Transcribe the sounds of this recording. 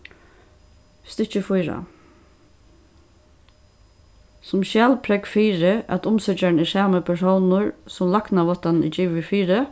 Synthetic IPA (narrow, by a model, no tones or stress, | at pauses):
st̪ɪt͡ʃəfʊjɾa̰ | sʊmʃæːlpʰɾɛkfiːɾəʔat̪ʊmsœt͡ʃaɳ̩ɪsæːməpʰæʂownʊɹsʊmlɑknaʋɔt̪annḭd͡ʒiːʋʋɪfiːɾə